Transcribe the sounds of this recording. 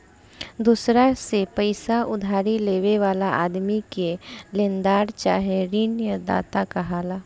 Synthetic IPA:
d̪usɾasepəɪsaʊd̪ʱaːɾileːʋeʋaːlaʔa̰ːd̪mikelẽnd̪aːɾt͡ʃa̰ːɦeɾinjəd̪a̰ːt̪akaɦaːlaː

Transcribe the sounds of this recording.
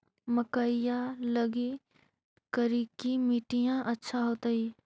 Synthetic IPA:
məkaɪjalɐɡi | kəɾikimiːʈijãʔɐtːʃʰaɦoːt̪aiː

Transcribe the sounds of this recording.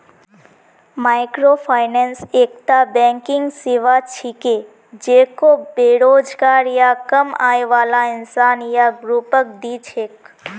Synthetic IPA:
maːɪkɾopʰaːɪnɛ̃nseːk̚t̪abɛ̃ːŋkɪŋɡsɪʋat͡ʃʰike | d͡ʒeːkobeːɾoːd͡ʒɡaːɾjakəma̰ːeʋaːlãɪnsaːnjaɡɾuːpək̚d̪it͡ʃʰeːk

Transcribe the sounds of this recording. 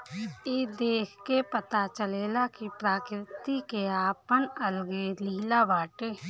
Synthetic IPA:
eːd̪eːkʰkepət̪at͡ʃəleːlaːkipɾaːkɾɪt̪ikeaːpənəlɡeːliːlaːʋaːʈeː

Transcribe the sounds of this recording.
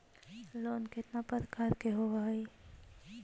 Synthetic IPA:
loːnkɪt̪napəɾkaːɾkeɦoʋaɦi

